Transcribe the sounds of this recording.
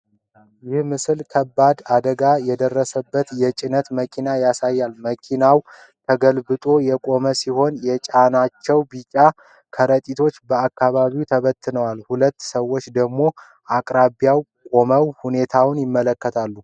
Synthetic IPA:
jɪhmɨsɨlkʰəbːad̪ad̪əɡajɛd̪ərːəsəbːət̪jɛt͡ʃʼɪnət̪məkʰinajasajːalməkʰinaw | t̪ʰəɡəlbɨt̪ʼo̞jɛkʼo̞məsiho̞njɛt͡ʃʼanat͡ʃːɛwbit͡ʃʼa | kʰəɾət̪ʼit̪ʰo̞t͡ʃːbəakːaβaβiwt̪ʰəβət̪ʰːɨnəwalhulət̪ːsəwːo̞t͡ʃːd̪əɡmo̞ | ʔakʼɾaβjaw | kʼo̞məwhune̞t̪ʰawnjɪmːələkːət̪ʰalːu

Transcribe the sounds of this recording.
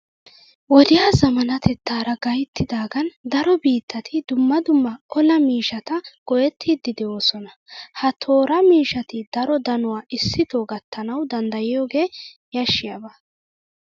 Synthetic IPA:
wɔd̪ɪjaːzɐmɐnɐt̪ʰɛt̪ːaːɾɐɡɐjt̪ːɪd̪aːɡɐnd̪ɐɾɔbiːt̪ːɐt̪ʰɪd̪ʊmːɐd̪ʊmːɐɔlɐmiːʃɐt̪ɐɡ̥ɔjɛt̪ʰːid̪ːɪd̪ɛo̞ːsɔnɐ | hɐt̪ʰo̞ːɾɐmiːʃɐt̪ɪd̪̥ɐɾɔd̪ɐnʊwaːʔɪsːɪt̪oːɡɐt̪ːɐnɐwd̪ɐnd̪ɐjɪjoːɡe̞ːjɐʃːɪjɐbaː

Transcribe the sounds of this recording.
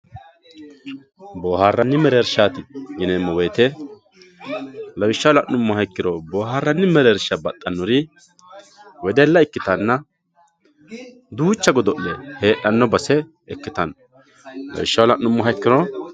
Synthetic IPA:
boːhaːrːɐnːɪmɛɾeɾʃaːt̪ɪɡɪnɛmːɔweːt̪ɛ | lɐwɪʃːɐwlɐʔnʊmːɔɦɐjkːɪɾɔboːɦaːrːɐnːɪmɛɾeɾʃɐbɐt̪ʼːɐnːɔɾɪ | wɛd̪ɛlːɐɪkːɪt̪ɐnːɐ | d̪uːt͡ʃːɐɡɔd̪ɔʔlɛhe̞ːʔɐnːɔbɐsɛ | ɛkːɪt̪ɐn | lɐ̰wɪʃːɐwlɐʔnʊmːɔɦɐjkːɪɾɔ

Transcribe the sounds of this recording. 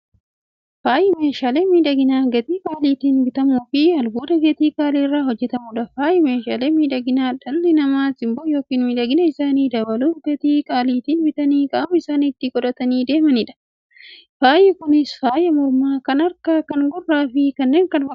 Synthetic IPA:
faːjɛmeːʃaːleːmiːᶑɐɡɪnaːɡɐt̪iːkʼaːliːt̪iːnbɪt̪ɐmuːfɪɐlɡuːd̪ɐɡɐt̪iːkʼaːliːrːaːhɔd͡ʒːɛt̪ɐmʊᶑɐfaːjɛmeːʃaːleːmiːᶑɐɡɪnaːᶑɐlːɪnɐmaːsɪmboːjo̞ːkiːnmiːᶑɐɡɪnɐɪsaːniːd̪ɐbɐluːfɡɐt̪iːkʼaːliːt̪iːnbɪt̪ɐniːkʼaːmɐɪsaːnɪt̪ːɪkʼɔᶑɐt̪ɐniːd̪e̞ːmɐnɪᶑɐ̥ | faːjɛkʊnɪsfaːjɛmɔɾmaːkɐnɐɾkaːkɐŋɡʊrːaːfɪkɐnːe̞ːŋkɐnfɐ

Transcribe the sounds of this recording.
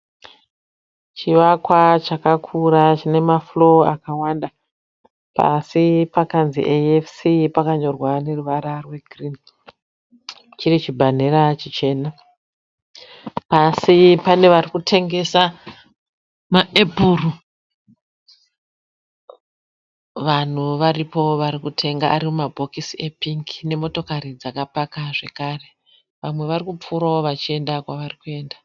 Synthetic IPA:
t͡ʃiʋakwat͡ʃakakʰuɾat͡ʃine̞maflo̞a̰kawanda | pa̰sipakanzḭʔeefsipakaɲo̞rwane̞ruʋaɾarwe̞ɡʱrin | t͡ʃirit͡ʃibʱan̤eɾat͡ʃit͡ʃe̞na | pasipane̞ʋarikutʰe̞ŋɡe̞sa | maʔe̞buːru | ʋan̤uʋaripo̞ʋaɾikutʰe̞ŋɡaʔːɾimumabʱo̞kisiepiŋki̥ne̞mo̞to̞kaɾid͡zakapakaʐe̞kaːre̞ | ʋamwe̞ʋarikup͡fuɾaoʋat͡ʃie̞ndakwaʋarikue̞ːnda

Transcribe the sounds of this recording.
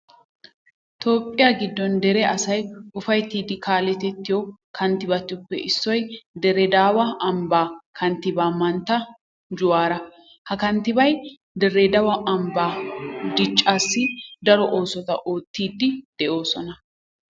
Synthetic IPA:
t̪o̞ːpʼːɪjaːɡɪd̪ːɔnd̪ɛɾɛɐsɐjʔʊfɐjt̪iːd̪ɪkʰaːlɛt̪ɛt̪ːɪjɔkʰɐnt̪ɪbɐt̪ːʊpːɛ̰ʔɪsːɔjd̪ɛɾɛd̪aːwɐʔɐmbaːkʰɐnt̪ːɪbaːmɐnt̪ːɐ | d͡ʒʊwaːɾɐ | hɐkɐnt̪ːɪbɐj | d̪ɛrɛd̪ɐwɐʔɐmbaːd̪ɪt͡ʃʼːaːsːɪd̪ɐɾɔʔo̞ːsɔt̪ɐ̰ʔo̞ːt̪ːiːd̪ːɪd̪̥ɛʔo̞ːsɔnɐ

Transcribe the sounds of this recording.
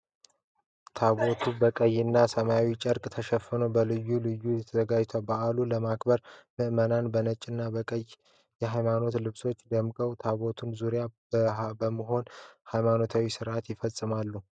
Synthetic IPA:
t̪ʰaβo̞t̪ʰubəkʼəjːɨnːasəmajawit͡ʃʼəɾkʼt̪ʰəʃɛfɨnobəlɨjːulɨjːujɛt̪ʰəzəɡad͡ʒt̪ʰabaʔaluləmakbəɾmɨʔmənanbənət͡ʃʼːɪnːabəkʼəj | jɛɦajmano̞t̪lɨβso̞t͡ʃːd̪əmkʼəwt̪ʰaβo̞t̪ʰunzuɾjabəbəməɦo̞nhajmano̞t̪ʰawisɨɾʔat̪jɪfəsʼɨmalːu

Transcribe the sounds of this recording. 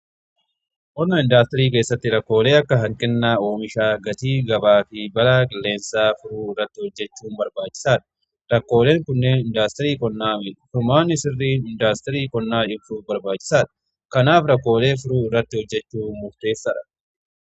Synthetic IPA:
ʔɔnɐɪnd̪aːst̪ɛɾiːk̬e̞ːsːɐt̪ːɪɾɐkːo̞ːle̞ːɐkːɐɦɐŋkʼɛnːaːoːmɪʃaːɡɐt̪iːɡɐbaːfɪbɐlaːkʼɪlːe̞ːnsaːfʊɾuːɪrːɐt̪ːɪhɔd͡ʒːɛt͡ʃːuːnbɐɾbaːt͡ʃːɪ̥saːᶑ̪ɐ̥ | ɾɐkːo̞ːle̞ːŋkʊnːe̞ːnɪnd̪aːst̪ɐɾiːkɔnːaːfʊmaːnːɪsɪrːiːnɪnd̪aːst̪ɛɾiːkɔnːaːᶑɪbfuːfbɐɾbaːt͡ʃːɪ̥saːᶑ̪ɐ̥ | kɐnaːfɾɐkːo̞ːle̞ːfʊɾuːɪrːɐt̪ːɪhɔd͡ʒːɛt͡ʃːuːnmʊft̪e̞ːsːɐᶑɐ̥

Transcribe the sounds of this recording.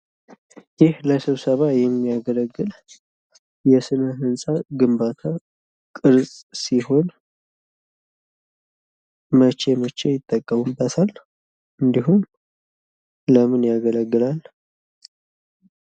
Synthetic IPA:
jɪhləsɨβsəβajɛmːijaɡələɡːɨl | jɛsɨnəɦɨnsʼaɡɨmbat̪ʰa | kʼɨɾsʼsiho̞n | mət͡ʃːe̞mət͡ʃːe̞jɪt̪ʼːəkʼːəmumbət̪ʰal | ʔɨnd̪iɦum | ləmɨnjaɡələɡːɨlal

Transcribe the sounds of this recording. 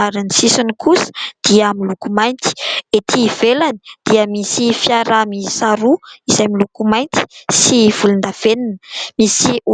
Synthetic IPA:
aɾinisisunikʰusə̥d̪̥iəamilukumajnt̪i̥et̪ʰivelani̥d̪̥iəmisifjaɾamisaɾuizajmilukumajnt̪i̥siv̥ulund̪av̥eninə̥misiu

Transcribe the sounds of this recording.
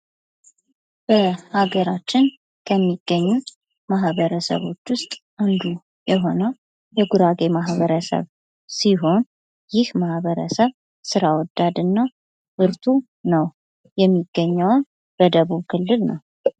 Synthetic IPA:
b̥əhaɡəɾat͡ʃːɪn | kʰəmːiɡ̥ːəɲːu | maɦβəɾəsə̰βo̞t͡ʃːwʊst̪ʼʔand̪u | jɛɦo̞nə | jɛɡuɾaɡe̞maɦβəɾəsə̰β | siɦo̞n | jɪhmahβəɾəsəβ | sɨɾawɔd̪ːad̪ɨnːa | bɨɾt̪ʰu | nəw | jɛmːiɡːəɲːəwn | b̥əd̪əβuβkʰɨlːɨlnəw

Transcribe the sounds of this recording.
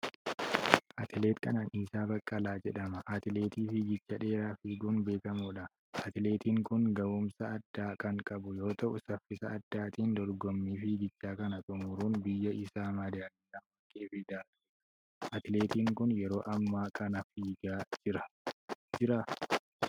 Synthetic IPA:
ʔɐt̪ɪle̞ːt̪kʰɐ̰naːnʔiːsaːbɐkʼːɐlaːd͡ʒɛᶑɐmɐʔat̪ɪle̞ːt̪iːfɪɡɪt͡ʃːɐᶑe̞ːɾaːfiːɡuːnbe̞ːkɐmuːᶑɐ | ʔɐt̪ɪle̞ːt̪iːŋkʊŋɡɐʔʊmsɐːd̪ːaːkɐŋkʼɐbʊjo̞ːt̪ɐʔʊsɐfːɪsɐːd̪ːaːt̪iːnd̪ɔɾɡɔmːiːfɪɡɪt͡ʃːaːkɐnɐt̪ʼʊmʊɾuːnbɪjːɐʔɪsaːmɐd̪aniːlɐmːɐkʼːeːfɪd̪aːᶑʊ̥ | ʔɐt̪ɪleːt̪iːŋkʊnjɛɾo̞ːʔɐmːaːkʼɐnɐfiːɡaːd͡ʒɪɾɐd͡ʒɪɾa

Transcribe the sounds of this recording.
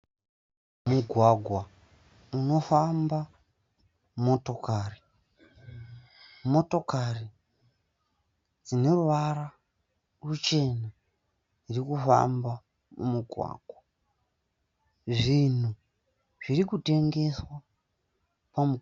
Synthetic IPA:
muɡʱwaɡʱwa | uno̞famba | mo̞to̞kari | mo̞to̞kari | d͡zine̞ruʋara | rut͡ʃe̞na | irikufa̰mba | mṵmuɡʱwa̰ːɡʱwa | ʐin̤u | ʐ̥irikute̞ŋɡe̞swa | pamu

